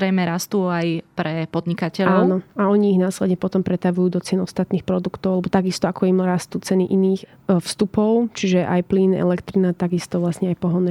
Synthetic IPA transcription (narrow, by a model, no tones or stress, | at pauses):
ɾɛjmɛɾast̪uːajpɾɛpɔd̪ɲikacɛlɔaːnɔaɔɲiːɣnaːslɛd̪ɲɛpɔt̪ɔmpɾɛt̪aʋujuːd̪ɔt͡sɪɛnɔst̪at̪niːxpɾɔd̪ukt̪ɔʊalɛbɔt̪aɡist̪ɔakɔimɾast̪uːt͡sɛniʔiniːx | fst̪upɔʊt͡ʃiʒɛʔa̰jpliːnɛ̰lɛkt̪ɾinat̪aɡist̪ɔʋlasɲɛajpɔɦɔnɛ